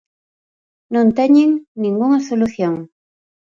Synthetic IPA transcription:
nont̪aɲɪŋnɪŋɡʊŋasolʊθjoŋ

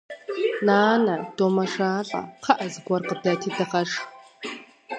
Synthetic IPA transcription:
naːnɐd̥oːmɐʂaːɬʼɐ̰qʰɐʔɐzɨɡʷɐrqədɐtʰiːdɐχɐʂ

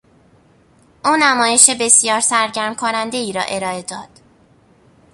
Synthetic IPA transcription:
ʔuːnæmɒːje̞ʃebe̞sijɒːɾsæɾɟæɾmkʰonænd̪e̞iːɾɒ̰ːʔe̞ɾɒːe̞d̪ɒːd̪̥

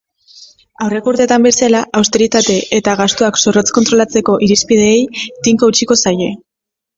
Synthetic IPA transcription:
awre̞kuɾt̪et̪ambe̞salaʔawst̪e̞ɾit̪at̪e̞ʔet̪aɣast̪uakso̞ro̞t͡sko̞nt̪ɾo̞lat͡se̞ko̞ʔiɾispið̞e̞ːjt̪iŋkout͡ʃiko̞saje̞

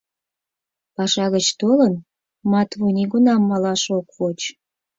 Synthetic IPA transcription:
pɑʃɑɣət͡ɕt̪olən | mɑt̪βuniɣunɑmːɑlɑʃokvot͡ɕ

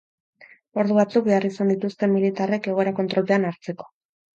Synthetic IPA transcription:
o̞ɾðuβat͡suk̚be̞arisand̪it̪ust̪e̞milit̪are̞ke̞ɣo̞eɾako̞nt̪ɾo̞lt̪e̞anaɾt͡se̞ko̥

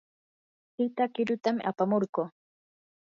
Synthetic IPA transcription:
pɪt̪akɪɾʊt̪amʔa̰pamoɾɢoː

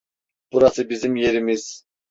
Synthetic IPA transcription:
b̥uɾasɯbizimje̞ɾimiz̥

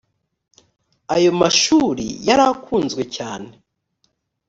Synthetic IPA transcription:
ajo̞maʃuːɾḭjaɾakʰuːnzɡwe̞caːne

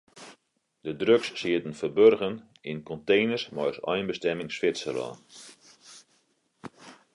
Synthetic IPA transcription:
d̥ədrøksːiətən̩fərbørɣən | ɪnkɔntejnərsmɔ̰jsɔ̰jnbəstɛmɪŋsfɪtsə̰rɔ̰ː

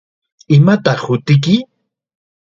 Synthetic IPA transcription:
ɪmat̪ɑχhʊt̪ɪk̬ɪ

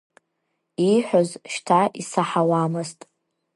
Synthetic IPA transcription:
iħʷᶣozʃtʰaʔisaħawaːmɨstʼ

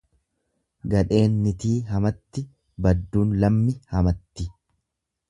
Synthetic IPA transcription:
ɡɐᶑe̞ːnːɪt̪iːɦɐmɐt̪ːɪ | bɐd̪ːuːnlɐmːɪhɐmɐt̪ːɪ

